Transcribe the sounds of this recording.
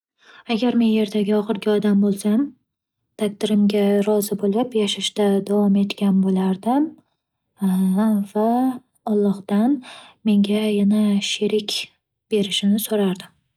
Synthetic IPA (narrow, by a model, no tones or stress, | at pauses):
aɡʲaɾme̞nje̞ɾd̪aɡʲɪɒχɨɾɡʲɪɒd̪ambolˠsam | t̪ʰak̚ʲt̪ɪɾɪmɡʲaɾɒzɪbolɪpjaʃaʃt̪ad̪avɒme̞t̪kʲanbolaɾd̪ɪm | va | ɒlˠːɒχd̪anme̞ŋɡʲajanaʃɪɾɪkʲ | b̥e̞ɾɪʃɪnɪsoɾaɾd̪ɪm